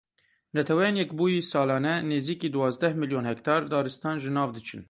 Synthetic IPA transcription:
nɛt̪ʰɛwɛjeːnjɛkbuːjisɑːlɑːnɛneːziːkiːd̪uwɑːzd̪ɛhmiljonhɛkt̪ʰɑːɾd̪ɑːɾɨst̪ɑːnʒɨnɑːvd̪ɨt͡ʃʰɨ̰n

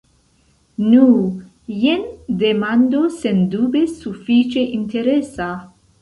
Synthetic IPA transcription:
nu | jend̪emand̪osend̪ubesufit͡ʃeʔinteɾesa

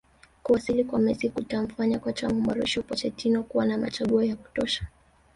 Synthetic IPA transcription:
kuwasilikwamɛzikutaɱ̩faɲakwat͡ʃamumaɾɔʃɔpɔt͡ʃɛtinɔkuwanama̰t͡ʃaɠuɔjaku̥tɔʃḁ

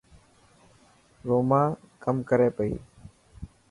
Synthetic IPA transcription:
ɾoːmãː | kəmkəɾeːpəḭː

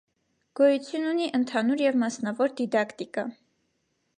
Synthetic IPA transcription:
ɡ̥ɔjut͡sʰjununiʔənt̪ʰɑnuɾjɛvmɑsnɑvɔɾd̪id̪ɑkt̪ikɑ

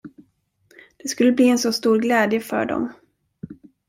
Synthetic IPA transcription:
d̪̥ɛskɵlːəbliːɛnsɔst̪uːɾɡlɛːd̪jəfœ̰ɖɔ̰m

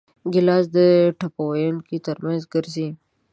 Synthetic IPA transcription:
ɡɪlɑːzd̪əʈʰapawajankit̪əɾmãnzɡəɾsi

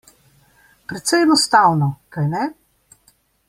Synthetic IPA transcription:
pɾɛt̪sɛjɛnɔst̪awnɔkajnɛ

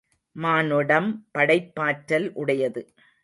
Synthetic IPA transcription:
maːnɯɽɐmpɐɽɐɪpːaːʈɾɐlʔʊɽɐjɐðɯ

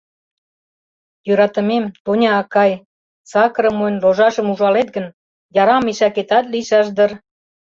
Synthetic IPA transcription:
jøɾɑt̪ə̆memt̪onʲɑːkɑj | t͡sɑkəɾə̆monloʒɑʃəmuʒɑlet̪̚ɡən | jɑɾɑmiʃɑket̪ɑt̪liʃɑʃd̪ər

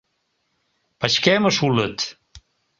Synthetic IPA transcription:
paʃkɛməʃulət̪

